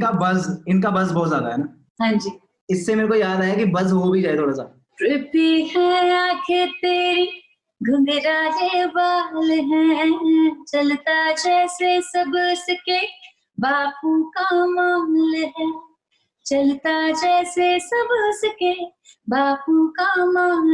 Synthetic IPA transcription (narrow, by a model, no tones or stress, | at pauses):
kabɐzɪnkabɐzbɔɦːt̪zjaːd̪aɦɛnaː | ɦãːd͡ʒiː | ɪsːemeːɾekoijaːd̪aːɦekibɐzɦobʱid͡ʒaːɦet̪ʰoːɽaːsa | ʈɾɪpiɦɛ̃aːkʰeɾt̪eːɾi | ɡʱʊ̃ɡeɾaːd͡ʒebaːlɦɛ̃ː | t͡ʃɐlt̪ad͡ʒɛːsesɐbsəke | baːpõkamaːlɦɛː | t͡ʃɐlt̪ad͡ʒɛːsesɐbsəke | baːpõkamaːl